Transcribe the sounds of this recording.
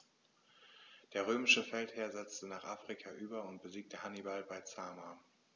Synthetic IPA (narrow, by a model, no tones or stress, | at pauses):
d̥eːɐʁ̞øːmɪʃəfɛltheːɐzɛt͡stənaːχʔaːfʁ̥ikʰaʔyːbɐʊnt̚b̥əziːk̚təhanibalbaɪt͡saːma